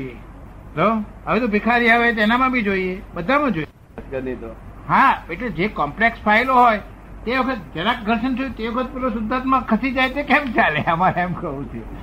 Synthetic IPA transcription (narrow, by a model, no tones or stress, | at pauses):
je | ɦəloəʋet̪obikʰaɾiaʋet̪enamãbʱid͡ʒoiebəd̪ʱamãd͡ʒo | tkənət̪oɦãbeʈled͡ʒekɔmplekspʰaɪloɦoj | t̪eʋəkʰət̪d͡ʒeɾãk̚ɡʱəɾʃənsot̪eʋəkʰət̪̚pelosʊd̪ʱːat̪mãkʰəsid͡ʒajt̪ekemt͡ʃaleəmaɾeemkəʋũt͡ʃʰe